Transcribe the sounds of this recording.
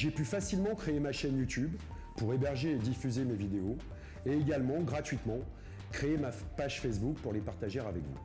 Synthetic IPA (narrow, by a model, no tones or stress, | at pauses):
ʒepyfasilmɑ̃kχeemaʃɛnjut̪yb | puʁebɛʁʒeːd̪ifyzemevid̪eo | eːɡalmɑ̃ɡʁat̪ɥit̪mɑ̃ | kχeemapaʒfɛs̬buk̚puʁlepaʁt̪aʒɛʁavɛkvṵ